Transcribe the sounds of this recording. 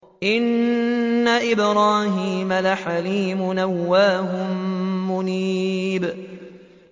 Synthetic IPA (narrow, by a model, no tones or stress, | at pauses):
ʔɪnː | aʔɪbɾɑːhiːmalaħaliːmʊnawːaːɦʊmːʊniːb